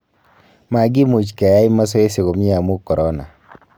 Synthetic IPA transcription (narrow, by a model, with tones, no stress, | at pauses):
ma˨ɡi˦mu˨t͡ʃka˨ja˦i˦ma˦s̬ɔ˦e˦se˨ɣo˨mɲi˦a˨mu˦kɔ˨ɾɔ˦na̰˨